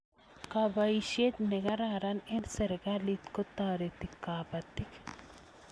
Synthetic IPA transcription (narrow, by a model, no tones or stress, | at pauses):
kabɐiʃet̪neɡɐɾaːɾɐnensɐɾɡalit̪kot̪aːɾet̪ikːaːpɐt̪ːik